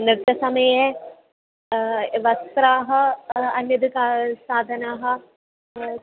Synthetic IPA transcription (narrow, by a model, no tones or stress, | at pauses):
nɾɨt̪ɐsɐmɐje | ʋɐst̪ɾaːɦɐɐnjɐd̪ʱikasaːd̪ʱɐnaːɦɐ̆